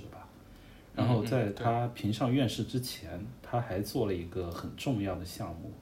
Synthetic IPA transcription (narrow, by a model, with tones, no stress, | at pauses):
ɻ̩˥˩bɐ˩ | ɻa˧˥nxo˥˧ʊt͡sa˥˩ɪt̪ʰa˥pʰi˧˥ŋʂɑ˥˧ŋɥɛ˥˧nʂɻ̩˥˩ʈ͡ʂɻ̩˥t͡ɕʰjɛ˧˥nt̪ʰa˥xa˧˥ɪt͡swɔ˥˩lə˩i˧˥ɡə˧xə˨˩nʈ͡ʂʊ˥˧ŋjɑ˥˩ʊd̪ə˩ɕjɑ˥˧ŋmṵ˥˩